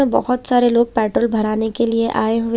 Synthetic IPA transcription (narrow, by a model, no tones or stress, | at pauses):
ẽbɔ̰ɦʊt̪saːɾeloːɡ̚pɛːʈɾoːlbʱɐɾaːnekelieʔaːeɦʊe